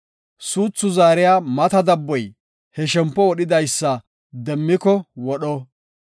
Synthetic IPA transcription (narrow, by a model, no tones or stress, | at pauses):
suːt͡sːʊzaːɾɪjaːmɐt̪ɐd̪ɐbːɔj | hɛʃɛmpːɔwɔɗɪd̪ɐjsːɐ | d̪ɛmːɪkɔwɔɗɔ